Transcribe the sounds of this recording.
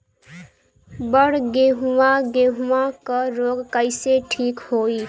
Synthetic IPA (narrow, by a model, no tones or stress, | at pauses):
bəɽɡeɦuwaɡeɦuãkəɾoɡkəɪseʈʰiːkhoːi